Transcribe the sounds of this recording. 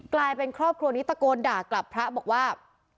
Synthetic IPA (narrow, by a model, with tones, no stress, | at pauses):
klaː˧jpe˧nkʰɾɔː˥˩p̚kʰɾu˧ɐ˧ni˦˥t̪ːa˧koː˧ndaː˨˩kla˨˩pʰɾa˦˥bɔː˨˩k̚waː˥˩